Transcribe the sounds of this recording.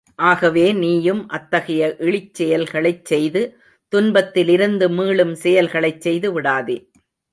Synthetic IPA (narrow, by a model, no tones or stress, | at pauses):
ʔaːɣɐʋeːniːjɯmʔɐt̪ːɐɣɐjɐʔɪɭɪt͡ʃːɛjɐlɣɐɭɐɪt͡ʃːsɛjðɯ | t̪ʊnbɐt̪ːɪlɪɾɯnd̪ɯmiːɭɯmsɛjɐlɣɐɭɐɪt͡ʃsɛjðɯʋɪɽaːðḛː